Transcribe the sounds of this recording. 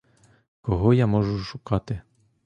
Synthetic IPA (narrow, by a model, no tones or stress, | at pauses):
kɔɦɔjamɔʒʊʃʊkɑt̪ɪ